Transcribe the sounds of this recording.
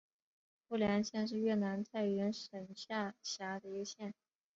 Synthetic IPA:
fu˥˩ljɛ˧˥nɕjɛ˥˧nʂ̬ɻ̩˥˧ɥɛ˥˩na˧˥nt̪ʰa˥˩ɪɥɛ˧˥nʂə˨˩nɕja˥˩ɕja˧˥d̪ə˧i˧˥ɡə˧ɕjɛ˥˩n

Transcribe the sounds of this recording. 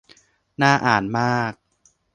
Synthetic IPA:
naː˥˩ʔaː˨˩nmaː˥˩k̚

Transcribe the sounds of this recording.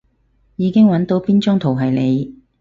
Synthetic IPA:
jiː˨˧kɪ˥ŋwɐ˨˥nt̪o˨˥wpiː˥nt͡ʃʊ˥ŋt̪ʰo˨˩wɦɐ˨jle˨˧j

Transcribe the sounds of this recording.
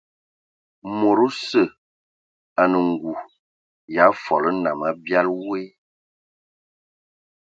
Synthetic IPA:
mo˨ɾu˦sə˦˨ | a˨nə˨ŋ˨ɡu˨ | ja˨˦fɔ˨lə˦na˨ma˦bja˦lwe˦

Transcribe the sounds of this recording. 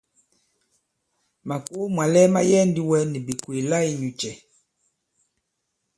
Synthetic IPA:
ma˨ko˦mwa˨lɛ˦ma˦jɛ˦ndi˦wɛ˦ni˨bi˨kwe˨la˦i˦ɲu˨t͡ʃɛ˨

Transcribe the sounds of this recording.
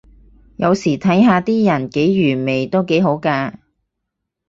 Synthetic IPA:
jɐ˨˧wsiː˨˩t̪ʰɐ˨˥jɦaː˧t̪iː˥jɐ˨˩nke˨˥jɥyː˨˩nme˨˩jt̪o˥wke˨˥jɦo˨˥wkaː˧

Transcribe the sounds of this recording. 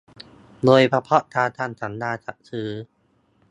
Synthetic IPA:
loː˧jpʰa˧pʰɔ˦˥ʔt̪ʰaː˧t̪ʰaː˧˩nsʰa˩˦ndaː˧˩t͡ɕa̰˨˩k̚sʰɯː˦

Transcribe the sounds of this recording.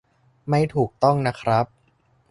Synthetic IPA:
ma˥˩jt̪ʰuː˨˩k̚t̪ɔ˥˩ŋna˦˥kʰɾa˦˥p̚

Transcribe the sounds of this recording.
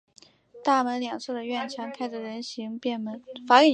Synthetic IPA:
t̪a˥˩mə˧˥nljɑ˨˩ŋʂɤ˥˩d̪ə˩ɥɛ˥˩nt͡ɕʰjɑ˧˥ŋkʰa˥ɪdə˩ɻə˧˥nɕi˧˥ŋpjɛ˥˩nmə˧˥nfa˧˥y˥˩

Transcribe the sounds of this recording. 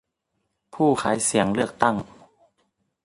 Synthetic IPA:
pʰuː˥˩kʰa̰ː˩˦jsi˩˦əŋlɯ˥˩ək̚t̪a˥˩ŋ

